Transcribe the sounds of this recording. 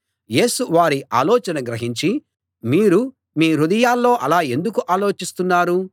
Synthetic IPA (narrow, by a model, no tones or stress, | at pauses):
je̞ːsuʋaːɾiʔa̰ːlɔːt͡ʃɐnɐɡɾɐɦiɲt͡ʃi | miːɾu | miːɾud̪ɐjaːlːo̞ːʔɐlaːe̞nd̪ukuʔaːlo̞ːt͡ʃist̪unːaːɾu